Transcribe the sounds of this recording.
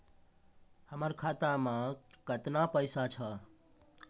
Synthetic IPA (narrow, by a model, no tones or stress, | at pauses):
həməɾkʰat̪amãkət̪napəɪsat͡ʃʰə